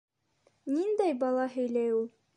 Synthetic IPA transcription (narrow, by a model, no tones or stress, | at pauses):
nind̪æjbɑlˠɑɦɵ̆jlæjulˠ